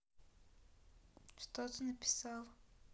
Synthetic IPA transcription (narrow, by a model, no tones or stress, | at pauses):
ʃt̪ɔt̪onɐpi̥salˠ